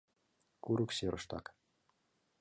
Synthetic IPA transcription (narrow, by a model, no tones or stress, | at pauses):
kuɾukseɾʔɤ̆ʃt̪ɑ̰k